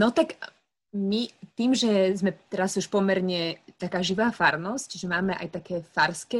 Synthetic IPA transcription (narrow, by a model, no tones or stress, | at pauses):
nɔt̪ak | mit̪iːmʒɛzmɛt̪ɛɾazuʃpɔmɛɾɲɛt̪akaːʒiʋaːfaɾnɔscʒɛmaːmɛʔa̰jt̪akɛːfaɾskɛː